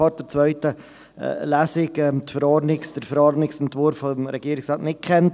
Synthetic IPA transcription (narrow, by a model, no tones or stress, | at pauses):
ɑɾ̚d̥əɾt͡svœʏtə̰ | læːsɪkɛt̪fəɾɑɾnɪksd̥əɾfəɾɑɾnɪksɛntvʊɾfːɔmɾɛɡiːɾɪksɑːtnɪt̚kʰχɛnt